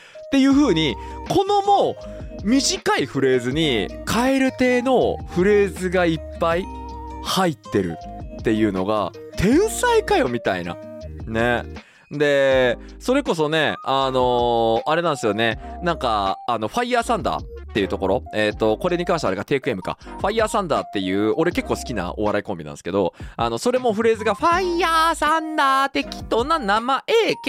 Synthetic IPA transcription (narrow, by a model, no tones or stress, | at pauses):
t̪e̞jɯ̟ːɸɯ̟ːɲ̟i | kʰo̞no̞moː | mʲiʑikaiɸɯ̟ɾe̞ːzɨɲ̟ikʰae̞ɾɯ̟t̪e̞ːno̞ɸɯ̟ɾe̞ːzɨɡaipːai | hait̪ːe̞ɾɯ̰t̪ːe̞jɯ̟ːno̞̰ɡa̰ | t̪ʰẽ̞ɰ̃saikajo̞mʲit̪a̰ḭna̰ | ne̞ | d̪e̞ | so̞ɾe̞ko̞so̞ne̞ano̞aɾe̞nãnd̪esɨjo̞ne̞nãŋkaːno̞ɸaiːaːsãnd̪a̰ː | t̪ːe̞jɯ̟t̪o̞ko̞ɾo̞et̪ːo̞ko̞ɾe̞ɲ̟ikãɰ̃ɕt̪eaɾeɡat̪e̞ːkɯ̟e̞mɯ̟ka̰ɸaiaːsãnd̪aːt̪ːe̞jɯ̟ːʔo̞ɾe̞ke̞kːo̞ːsɨ̥kʲina̰ʔo̞βaɾaikõmbinã̰sɨ̥ked̪o̞ano̞so̞ɾe̞mo̞ɸɯ̟ɾe̞ːzɨɡaɸaiaːsãnd̪aːt̪e̞kʲi̥t̪o̞nanamaʔe̞ːk